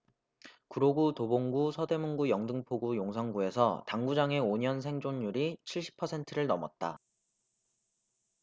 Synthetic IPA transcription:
kuɾoɡutoboŋɡusʰʌde̞moŋɡujʌŋdɯŋpʰoɡujoŋsʰʌŋɡue̞sʰʌtaŋɡud͡ʑaŋe̞oɲʌnsʰe̞ŋd͡ʑoɲːuɾit͡ɕʰiɭɕ͈ʰi̥pʰʌsʰe̞ntʰɯɾɯɭnʌmʌt̚t͈a̰

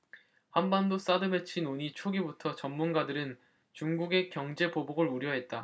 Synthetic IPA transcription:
hanbandos͈adɯmet͡ɕʰinoɲit͡ɕʰoɡibutʰʌt͡ɕʌmːunɡadɯɾɯn | t͡ɕuŋɡuɡe̞kjʌŋd͡ʑe̞poboɡɯɭuɾjʌɦe̞t̚t͈a

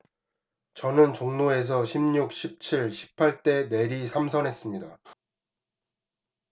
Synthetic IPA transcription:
t͡ɕʌnɯnt͡ɕoŋnoe̞s̬ʰʌɕʰimɲuk̚ɕʰip̚t͡ɕʰiɭɕʰi̥pʰaɭt͈e̞ne̞ɾisʰamsʰʌnɦe̞s͈ɯmɲida

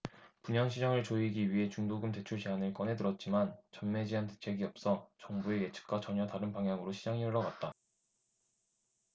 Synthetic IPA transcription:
puɲʌŋɕʰid͡ʑaŋɯɭt͡ɕoiɡiɥiɦe̞t͡ɕuŋdoɡɯmte̞t͡ɕʰuɭt͡ɕeɦanɯɭk͈ʌnɦe̞dɯɾʌt̚t͡ɕ͈imant͡ɕʌnme̞d͡ʑiɦantet͡ɕʰe̞ɡiʌp̚s͈ʌt͡ɕʌŋbue̞je̞t͡ɕʰɯ̥k̚k͈wat͡ɕʌɲʌtaɾɯnpaŋɦjaŋɯɾoɕʰid͡ʑaŋiʌɭːʌɡat̚t͈a

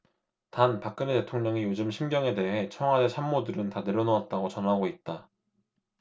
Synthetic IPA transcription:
tanpak͈̚ɯnete̞tʰoŋɲʌŋijod͡ʑɯmɕʰimɡjʌŋe̞de̞ɦe̞t͡ɕʰʌŋɦwadet͡ɕʰanmodɯɾɯntane̞ɾʌnoat̚t͈aɡot͡ɕʌnɦaɡoit̚t͈a

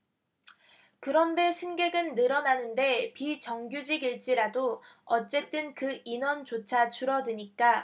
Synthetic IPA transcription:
kɯɾʌnde̞sʰɯnɡe̞ɡɯnːɯɾʌnanɯnde̞pit͡ɕʌŋɡjud͡ʑiɡiɭt͡ɕ͈iɾadoʌt͡ɕ͈e̞t͈ɯnkɯinʌnt͡ɕot͡ɕʰat͡ɕuɾʌdɯɲik͈a

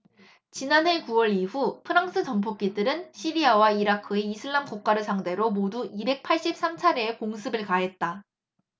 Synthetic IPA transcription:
t͡ɕinanɦe̞kuwʌɭiɸupʰɯɾaŋs͈ʰɯt͡ɕʌmpʰok͈̚idɯɾɯnɕʰiɾiawaiɾakʰɯe̞isʰɯɭːamkok͈̚aɾɯsʰaŋde̞ɾomoduibe̞k̚pʰaɭɕ͈ip̚s͈amt͡ɕʰaɾeːkoŋsʰɯbɯɭkaɦe̞t̚t͈a

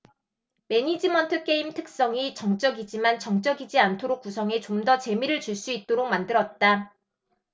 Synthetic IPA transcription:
me̞ɲid͡ʑimʌntʰɯk͈e̞imtʰɯ̥k̚s͈ʌŋit͡ɕʌŋt͡ɕ͈ʌɡid͡ʑimant͡ɕʌŋt͡ɕ͈ʌɡid͡ʑiantʰoɾok͈̚usʰʌŋet͡ɕomdʌt͡ɕe̞miɾɯɭt͡ɕuɭs͈uit̚t͈oɾok̚mandɯɾʌt̚t͈a

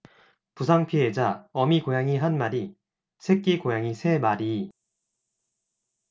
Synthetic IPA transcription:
pusʰaŋpʰied͡ʑaʌmikojaŋiɦanmaɾi | sʰek͈ikojaŋisʰe̞maɾi

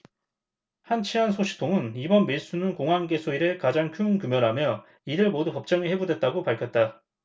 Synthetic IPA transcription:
hant͡ɕʰiɦansʰoɕʰi̥tʰoŋɯnibʌnmeɭs͈unɯnkoŋɦwanɡe̞sʰoiɾɯkad͡ʑaŋkʰjunkumjʌɾɦamjʌ | iɾɯɭmodupʌp̚t͡ɕ͈ʌŋiɦe̞budwe̞t̚t͈aɡopaɭkʰjʌt̚t͈a

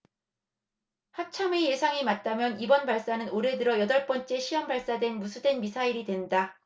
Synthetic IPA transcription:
hat͡ɕʰame̞je̞sʰaŋimat̚t͈amjʌnibʌnbaɭs͈anɯnoɾe̞dɯɾʌjʌdʌɭp͈ʌnt͡ɕ͈e̞ɕʰiwʌmbaɭs͈adwe̞nmusʰudwe̞nmisʰaiɾidwe̞nda

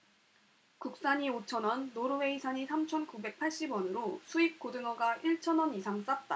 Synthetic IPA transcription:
kuk̚s͈aɲiot͡ɕʰʌnʌnːoɾɯwe̞isʰaɲisʰamt͡ɕʰʌnkube̞k̚pʰaɭɕ͈ibwʌnɯɾosʰuik͈odɯŋʌɡaʔiɭt͡ɕʰʌnʌnisʰaŋs͈at̚t͈a

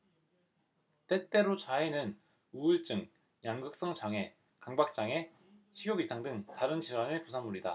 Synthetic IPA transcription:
t͈e̞t͈e̞ɾot͡ɕaenɯn | uɯɭt͡ɕ͈ɯŋ | jaŋɡɯk̚s͈ʌŋt͡ɕaŋe̞ | kaŋbak̚t͡ɕ͈aŋe̞ | ɕʰiɡjoɡisʰaŋdɯŋtaɾɯnɕʰiɾwanɯɭpusʰaŋmuɾida̰

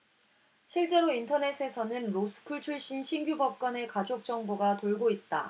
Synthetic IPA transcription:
ɕʰiɭt͡ɕ͈e̞ɾointʰʌne̞s͈ʰɯe̞sʰʌnɯnɾosʰɯ̥kʰuɭt͡ɕʰuɭɕ͈inɕʰinɡjubʌp̚k͈wʌne̞kad͡ʑok̚t͡ɕ͈ʌŋboɡatoɭɡoit̚t͈a̰

